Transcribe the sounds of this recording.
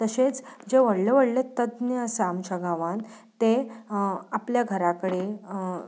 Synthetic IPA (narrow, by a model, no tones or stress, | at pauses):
t̪əɕet͡sd͡ʑeʋəɽleʋəɽlet̪əd̪nəəsəːmt͡ɕaɡãʋãn | t̪e | apljaɡʱəɾakəɽe